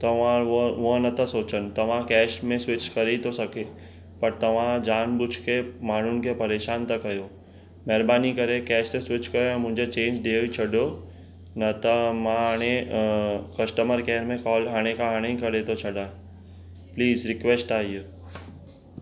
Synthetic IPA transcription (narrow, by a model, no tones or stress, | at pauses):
t̪ɐʋãʊɦə̃nɐt̪əsoːt͡ʃənt̪ɐʋ̤ãkɛːʃmẽsʋɪt͡ʃkɐɾet̪osɐke | pɐɾt̪ɐʋ̤ãd͡ʒaːnbʊt͡ʃʰkemaːn̤ʊnɪ̆kepɐɾeːʃaːnt̪ɐkɐjoː | mɛːɾbaːnikɐɾekɛːʃt̪esʋɪt͡ʃkɐɾoɛ̃ːmʊ̃ɦɪ̃ɲd͡ʒet͡ʃẽːɲd͡ʒɖ̪eːʋit͡ʃʰɐɽo | nɐt̪ɐmãɦaːɽ̃e | kɐsʈəməɾkɛːɾmẽkɔːlɦaːɽ̃ekaɦaːɽ̃eikɐɾet̪ot͡ʃʰɐɖãː | pliːzɾɪkʋesʈaːiju